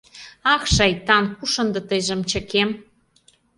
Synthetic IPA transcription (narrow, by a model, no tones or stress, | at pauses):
ɑkʃɑjt̪ɑnkuʃə̆nd̪ɤ̆t̪əjʒə̆mt͡ɕə̆kem